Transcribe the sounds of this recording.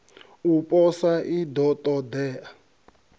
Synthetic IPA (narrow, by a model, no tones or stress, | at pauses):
upʼɔsaʔid̪ɔtʼɔd̪ɛːa